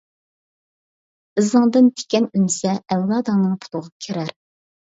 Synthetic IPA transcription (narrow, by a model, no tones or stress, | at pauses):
ɨzɨŋd̪ɨnt̪ʰe̥kʲɛnymsɛɛwlˠɑːd̪ɑnɨŋpʰu̥t̪ʰʊʁɑkʲʰeɾæɾ